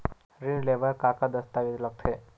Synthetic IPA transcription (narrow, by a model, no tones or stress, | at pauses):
ɾinleʋəɾkakad̪əst̪aʋit̪lək̚t̪ʰe